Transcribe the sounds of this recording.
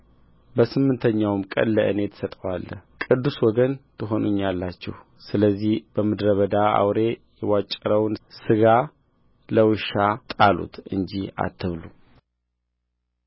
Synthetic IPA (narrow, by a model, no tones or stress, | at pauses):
bəsɨmːɨnt̪ʰəɲːawmkʼə̰nːəʔɨne̞t̪ʰsət̪ʼəwalːə̰hkʼɨd̪ːuswɔɡənt̪ʰɨɦo̞nuɲːalːat͡ʃːɛ̰h | sɨləzːihb̥əmɨd̪ɾəβəd̪aa̰wɾe̞jɛwat͡ʃʼːəɾəwnsɨɡa | ləwɨʃat̪ʼalṵt̪ɨ̰ɲd͡ʒia̰t̪ʰːɨβlu